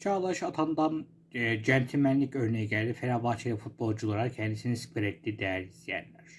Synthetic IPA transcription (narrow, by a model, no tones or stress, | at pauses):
t͡ʃʰaːlˠaɯʃat̪ʰand̪an | d͡ʒɛnt̪ʰimænlʲicø̞ɾnejiɟælʲd̪ifenabat͡ʃʰejafut̪̚bo̞lˠd͡ʒulˠaɾacʰɛnd̪isinisi̥pɯɾɛt̪ːiːd̪ejæɾizt̪ijæ̰nlʲæɾ̥